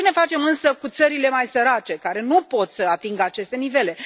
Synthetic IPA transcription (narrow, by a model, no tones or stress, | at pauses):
ene̞fat͡ʃe̞mɨnsəkut̪səɾile̞majsəɾat͡ʃe̞kaɾe̞nupo̞t̪səat̪iŋɡəat͡ʃe̞st̪e̞nive̞le̞